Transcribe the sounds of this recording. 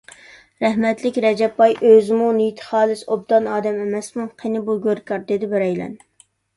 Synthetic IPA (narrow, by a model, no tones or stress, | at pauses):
ɾɛhmɛt̪lɪkʲɾɛd͡ʒɛpːɑjʔøzɪmunijt̪ʰə̥χɑːlˠɨsob̚d̪ɑnɑːd̪ɛmemɛsmuqʰenɪbuɡʲøɾkɑɾd̪ed̪ɪbɪɾɛjlɛ̰n